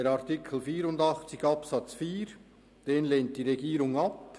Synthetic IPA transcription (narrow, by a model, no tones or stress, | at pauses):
eɾaʁtɪkʰl̩fiːɾʊndɑχt͡sɪçɑpsɑt͡sfiːɾ | d̥eːnleːnt̚d̥iːʁeɡiːɾʊŋɑp